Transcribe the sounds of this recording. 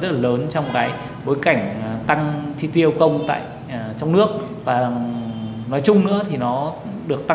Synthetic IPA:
zə˦t̚laː˨˩ləː˨˦nt͡ɕɔ˧wŋ͡mkaː˨˦j | ɓo˨˦jka˧˩jŋ̟˩t̪a˧ŋt͡ɕi˧t̪i˧əwkə˧wŋ͡mt̪a̰ː˧˨j | t͡ɕɔ˧wŋ͡mnɨ˦˥ək̚ | vaː˨˩ | nɔ˨˦jt͡ɕʊ˧ŋ͡mnɨ̰˧˥ət̪ʰi˨˩nɔ˨˦ | ɗɨ˨˩ək̚t̪a˧

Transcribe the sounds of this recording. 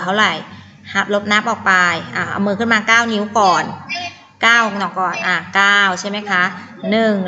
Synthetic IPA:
t̪ʰa˥˩wɾa˨˩j | ha˨˩p̚lo˦˥p̚na˦˥p̚ʔɔː˨˩k̚pa˧jʔaː˨˩ʔa̰˧mːɤː˧kʰɯ˥˩nmaː˧kaː˥˩wni˦˥wkɔː˨˩n | kaː˥˩wnɔ˨˩kːɔː˨˩nʔaː˧˩kaː˥˩wt͡ɕʰa˥˩jma˦˥jkʰa˦˥ʔ | nɯ˨˩ŋ

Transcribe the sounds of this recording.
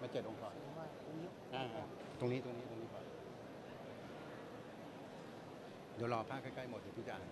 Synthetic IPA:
maː˧˩t͡ɕe˨˩t̪̚ʔo˧ŋkʰɔː˨˩˦ɔ˧˩maː˥˩t̪o˧ŋni˦˥ | ʔaː˧a˧˩ | t̪o˧ŋniː˦˥t̪o˧ŋni˦˥t̪o˧ŋni˦˥kɔː˨˩n˧˩˧ | de˨˦wlɔː˧pʰaː˥˩kʰːa˥˩ka˥˩jmo˨˩t̪̚ʰːiː˨˦kʰi˧˩t͡ɕa˧˨ʔː

